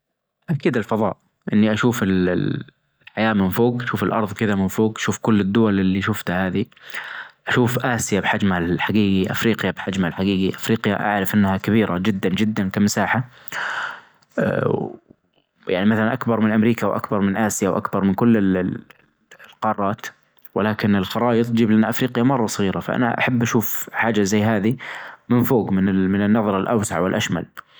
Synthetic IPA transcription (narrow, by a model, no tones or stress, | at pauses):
ʔakiːd̪ɪlfɑðˤɑ̰ːʔ | ʔɪnːiʔaʃuːfɪl | ħajaːmɪnfoːɡaʃuːfɪlʔɑ̰ɾˤðˤkɪðamɪnfoːɡʔaʃuːfkʊlːɪd̪ːʊwalʔɪlːiʃʊft̪haːði | ʔaʃuːfʔaːsɪjabħad͡ʒmhalħaɡiːɡiʔa̰fɾiːqjabħad͡ʒmalħaɡiːɡiʔafɾiːqja̰ʔa̰ʕɾɪfʔɪnːhakabiːɾʔad͡ʒɪd̪ːand͡ʒɪd̪ːankamasaːħa | ja̰ʕnimaθalanʔakbɑɾˤmɪnʔamɾiːkawʔa̰kbɑɾˤmɪnʔaːsɪjawʔa̰kbɑɾˤmɪnkʊlːɪ | lqɑːrˤːɑːt̪ | wɪlaːkɪnɪlxɑɾˤɑːjɨt̪ˤd͡ʒiːblanːaʔafɾiːqɪjamɑrˤːɑsˤɣiːɾafa̰ʔa̰na̰ʔa̰ħabːʔaʃuːfħaːd͡ʒazajːɦaːðimɪnfoːɡmɪnɪmɪnɪnːɑðˤɾˤɑlʔa̰wsaʕwɪlʔaʃma̰l